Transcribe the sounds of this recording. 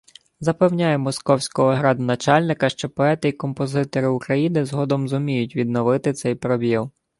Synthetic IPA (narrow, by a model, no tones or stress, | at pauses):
zɐpɛwnʲajɛmɔskɔwsʲkɔɦɔɦɾɑd̪nɐt͡ʃɑlʲnɪkɐʃt͡ʃɔpɔɛt̪ɪikɔmpɔzɪt̪ɔɾɪʊkɾɐjinɪzɦɔd̪ɔmzʊmʲijʊtʲʋʲid̪nɔʋɪt̪ɪt̪sɛjpɾɔbʲilˠ